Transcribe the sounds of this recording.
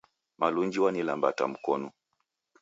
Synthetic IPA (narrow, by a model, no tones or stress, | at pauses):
maluɲd͡ʒiwanilambata̰m̩kɔnu